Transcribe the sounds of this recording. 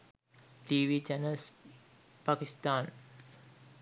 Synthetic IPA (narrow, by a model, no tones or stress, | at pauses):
ʈiːʋiːd͡ʒanəls | pakist̪ãːn